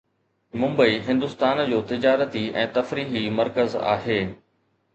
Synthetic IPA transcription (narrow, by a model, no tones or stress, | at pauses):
mʊ̃mbəiɦɪ̃nd̪ʊst̪aːnd͡ʑoːt̪ɪd͡ʑaːɾət̪iɛ̰̃ːt̪ɐfɾiːɦimɐɾkəza̰ːɦeː